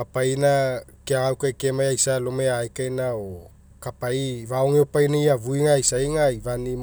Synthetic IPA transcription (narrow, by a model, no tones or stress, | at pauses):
apainakeaŋawkajkemajajsalomeajkajnao | kapaivaoŋeopajnaiavuiŋajsaiŋaivanim